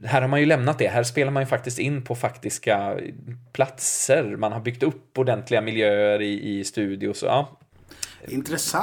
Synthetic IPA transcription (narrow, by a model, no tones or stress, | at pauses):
ɦæːɾhaɾmanjɵlɛmnat̪̚d̪ɛɦæːɾʂpeːlaɾmanjɵfak̚t̪ɪst̪ɪnːpʰɔfakt̪ɪska | pʰlat̪səɾmanɦaɾbʏkt̪ɵpːɔɖ̪ɛnt̪ʰlɪɡamɪljøːəɾɪʔɪst̪ʉ̟ːd̪ɪʊsɔ̰jɑ̰ː | ɪnt̪ɾɛs